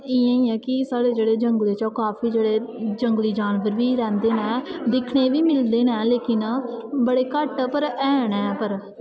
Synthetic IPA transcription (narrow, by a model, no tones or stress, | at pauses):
iːãːiːɛːkɪsaːɽeːd͡ʒeːɽeːd͡ʒəŋɡleːt͡ʃakaːfʰiːd͡ʒeːɽeːd͡ʒəŋɡliːd͡ʒaːnʋəɾʋiːɾɛ̃ːnd̪eːnɛ̃ːd̪ɪkʰɳeːʋiːmɪld̪eːnɛːleːkɪnbəɽeːkəʈpəɾɛːnɛ̃ːpəɾ